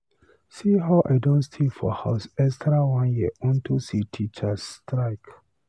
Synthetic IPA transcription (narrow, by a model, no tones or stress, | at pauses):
siɦaʊʔa̰ɪdɔ̃ntstʰefɔ̰haʊsɛkstɹawãnjiɔ̃ntʰusitʰit͡ʃastɹaɪk